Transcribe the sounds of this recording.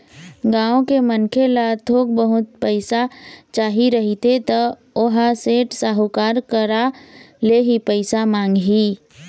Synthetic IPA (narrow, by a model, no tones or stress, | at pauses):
ɡãːõkemənkʰelat̪ʰoːk̚bəɦʊt̪̚pəɪsat͡ʃaːɦiɾəɦit̪et̪ɔ | oɦaseːʈsaːɦʊkaːɾkəɾaleɦipəɪsamãːŋɡɦiː